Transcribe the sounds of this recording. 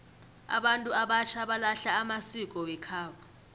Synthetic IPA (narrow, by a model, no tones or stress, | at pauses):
a̰ɓantʼuaɓat͡ʃʰaɓalaɬaːmasik̬ʼɔwɛkʰaːka